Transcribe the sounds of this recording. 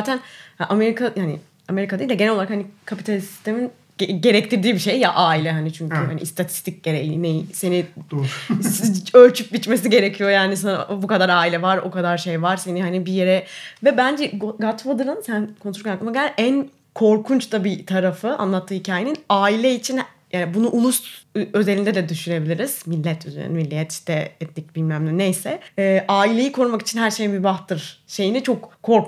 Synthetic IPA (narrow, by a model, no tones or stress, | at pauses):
aːt̪ʰænhaʔameɾikʰajanɪ̰ | ame̞ɾikad̪ajild̪ɛɟenæloaɾakhanikʰapit̪ʰalʲisi̥st̪e̞min | ɟe̞ɾɛc̚t̪ʰiɾd̪iːbiʃe̞jjaʔaːilʲɛɦanit͡ʃʰyɲkʰyhanḭst̪ʰat̪ʰi̥st̪ʰic̚ɟeɾejinejse̞ni̥ | t͡ʃølʲt͡ʃʰyp̚ɟit͡ʃme̞s̬iɟe̞ɾecʰijo̞jaːnis̬aabukad̪aɾaːilʲɛvaɾo̞̰kad̪aɾʃe̞jvaɾse̞nihanibije̞ɾɛvɛbænd͡ʒɛɡɡat̪ʰvad̪ɯɾɯnsænkʰont̪ɾkaklˠɯmaɟæʔæn | kʰo̞ɾkʰunt͡ʃt̪abit̪ʰaɾafɯʔa̰nlˠat̪ʰːɯːhicʰaːjeninaːilʲɛit͡ʃʰin | jaːnibunuʔulˠust̪ø̞zelʲind̪ɛd̪ɛd̪yʃyne̞bilʲiɾiz̥milʲːɛt̪ʰyzḛɾḭnimilʲːijɛt̪i̥ʃt̪ɛ̰ɛt̪nʲic̚bilʲmæmlʲinejsɛɛʔaːilʲe̞jikʰo̞ɾumaki̥t͡ʃʰinɦæɾʃejmybaxt̪ɯɾ̥ʃe̞jinit͡ʃʰokʰːo̞ɾk